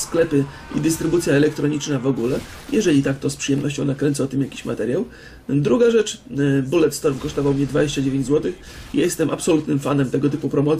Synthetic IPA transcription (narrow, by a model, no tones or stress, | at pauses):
sklɛpɘ | ḭd̪ɘst̪ɾɘbut̪sʲjaɛlɛk̚t̪ɾɔɲit͡ʂnavɔɡulɛ | jɛʐɛlʲit̪ak̚t̪ɔspʂɨjɛmnɔɕ̬t͡ɕɔ̃w̃nakɾɛnt̪sat̪ɘmjakʲi̥ɕma̰t̪ɛɾʲjaw | d̪ɾuɡaʐɛt͡ʂbulɛt̪st̪ɔɾmkɔʂt̪ɔvawmɲɛd̪vad͡ʑeɕt͡ɕad͡ʑevʲeɲd͡ʑzwɔt̪ɘx | ijajɛst̪ɛmapsɔlut̪nɘmfanɛmt̪ɛɡɔt̪ɘpupɾɔmɔt̪